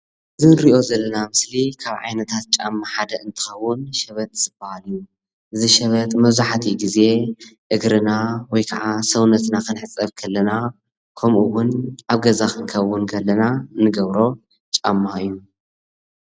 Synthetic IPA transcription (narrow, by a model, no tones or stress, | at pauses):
ɨzɨɾiʔo̞zɐlːɐnamɨslikʰaβʕa̰jnɐt̪ʰat̪̚t͡ʃʼa̰mːaħad̪ɐʔɨnt̪ʰɨ̥xɐwːʊnʃɐβɐt̪zɨb̥ɐhalju | ʔɨziʃɛβɐt̪mɐβzuħat̪ʰiɡize̞ʔɨɡɾɨnawɔjkʰɐʕasɐwnɐt̪nakʰɨnħɨt͡sʼːɐβkʰɐlːɐna | kʰɐmʔuwʊnʔaβɡɐzakɨnkʰɐwːʊnkʰɐlːɐnanɨɡɐβɾo̞ | t͡ʃʼamːaɨjːu